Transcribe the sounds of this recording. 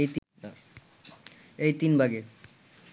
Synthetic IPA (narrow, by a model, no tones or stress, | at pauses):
jt̪ | ejt̪inbʱaɡe